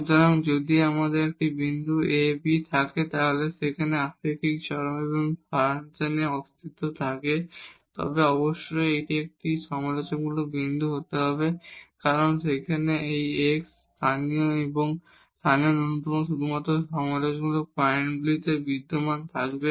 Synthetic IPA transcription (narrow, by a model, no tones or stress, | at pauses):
d͡ʑɔnoŋd͡ʑod̪iamad̪eɾek̚ʈibind̪ʱuebit̪ʰaket̪aɦoleʃekʰaneakɾikik̚t͡ɕɔɾoŋeboŋfaɾseneɔst̪ʰit̪ːot̪ʰaket̪ɔ̰beɔboʃːojejʈiek̚ʈiʃɔmalot͡ɕonɡulobind̪ʱuɦot̪eɦɔbekaɾonsekʰaneejeksst̪ʰanioeboŋ | st̪ʰanijononut̪omoʃ̬ud̪ʱumat̪ːɾoʃɔmalot͡ɕɡulopɔeɳbulit̪ebid̪ːomant̪ʰakbe